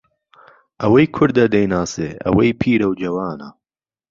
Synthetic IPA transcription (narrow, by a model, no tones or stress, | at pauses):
ʔɐwɐjkʰʊɾd̪ɐd̪ɐjnaːsḛːɐ̰wɐjpʰiːɾɐwd͡ʒɐwaːnɐ̰